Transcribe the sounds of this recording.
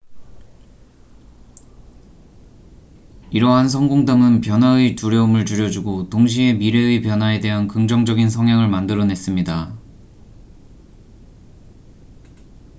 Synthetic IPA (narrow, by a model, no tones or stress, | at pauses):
iɾʌɦans̬ʰʌŋɡoŋdamɯnpjʌnɦaɯituɾjʌumɯɭt͡ɕuɾjʌd͡ʑuɡotoŋɕ̬ʰie̞miɾeipjʌnɦwae̞de̞ɦankɯŋd͡ʑʌŋd͡ʑʌɡinsʰʌŋɦjaŋɯɭmandɯɾʌnɦe̞s͈ɯmɲida